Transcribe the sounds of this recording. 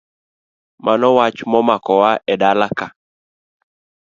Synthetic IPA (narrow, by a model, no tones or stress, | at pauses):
mʔanɔwat͡ʃmɔmakɔwaʔɛdalaka